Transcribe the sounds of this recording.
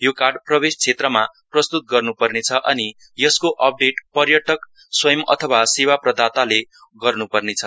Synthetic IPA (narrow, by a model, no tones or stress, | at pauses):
jokarɖprʌbest͡sʰet̪rʌmaprʌst̪ut̪̚ɡʌrnupʌrnet͡sʰʌʔʌni | jʌskoʔʌp̚ɖeʈpʌrjʌʈʰʌk | swʌjʌmʌ̰t̪ʰʌwasiwaprʌd̪at̪ale | ɡʌrnupʌrnet͡sʰʌ